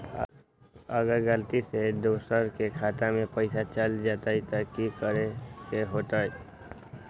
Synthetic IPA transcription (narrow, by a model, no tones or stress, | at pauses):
əɡəɾɡəlt̪ised̪osəɾkekʰat̪amẽpəɪsat͡ʃəld͡ʒat̪ait̪akikəɾekeɦot̪aj